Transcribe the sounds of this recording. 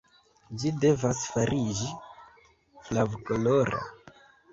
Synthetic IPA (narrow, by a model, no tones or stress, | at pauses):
d͡ʒide̞vasfaɾʔid͡ʒi | flavkoloɾa̰